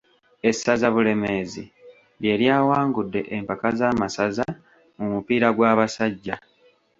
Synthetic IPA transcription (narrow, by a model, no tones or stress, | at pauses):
e̞sːazaβule̞me̞zḭ | βje̞ːljaːwaːŋɡudːe̞ʔempakazaːmasaza | mumupiːɾaɡwaːβasaɟːa